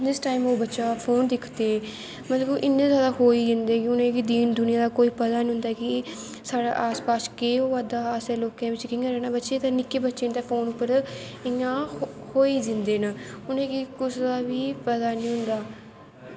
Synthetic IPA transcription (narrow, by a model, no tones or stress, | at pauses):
nɪsʈaːimoːbətːʃaːpʰoːnd̪ɪkʰt̪eː | mət̪ləbʔɪnːẽːzjaːd̪aːɦoːiːd͡ʒ̪ɪnd̪eːkɪʊnẽːkid̪iːnd̪ʊnɪijãːd̪aːkoːiːpət̪aːnĩɦʊ̃nd̪aːki | saːɽa̰ːʔaːspaːskeːoːaːd̪aːəseːloːkãːʋɪt͡ʃkɪ̃ːɡəɾɛːnãːbətːʃeːt̪ãːnɪkːeːbətːʃeːnd̪aːpʰoːnʊpːəɾ | ɪjãː | hoːiːd͡ʒ̪ɪnd̪eːnaʊnẽːkɪkʊsd̪aːʋiːpət̪aːnĩːɦʊ̃nd̪aː